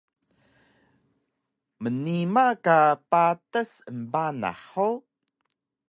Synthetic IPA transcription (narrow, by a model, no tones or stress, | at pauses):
mənimakapatəsəmbana̰ħo